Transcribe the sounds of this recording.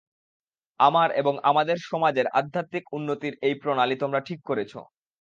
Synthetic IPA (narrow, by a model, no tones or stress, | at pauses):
amaɾḛboŋamad̪eɾʃɔmad͡ʑeɾa̰d̪ʱːat̪mikunːot̪iɾejpɾonalit̪omɾaʈʰikːoɾet͡ɕʰo̰